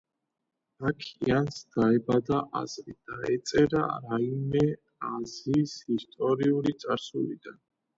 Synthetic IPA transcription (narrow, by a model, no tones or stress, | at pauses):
akʰiiansd̪̥aɛbad̪aʔa̰zɾid̪̥aɛt̪sʼɛɾaɾaimɛ | azisist̪ʼɔɾiulit̪sʼaɾsulḭd̪an